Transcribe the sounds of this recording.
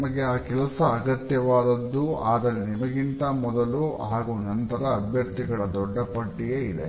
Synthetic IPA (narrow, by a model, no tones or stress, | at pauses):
mɐɡeaːkɛlɐsɐːɡɐt̪jɐʋaːd̪ɐd̪ːuaːd̪ɐɾenimɐɡint̪ɐmɔd̪ɐluaːɡuːnɐnt̪ɐɾɐːbʱjɐɾt̪iɡɐɭɐd̪ɔɖːɐpɐʈːiɡeid̪ḛ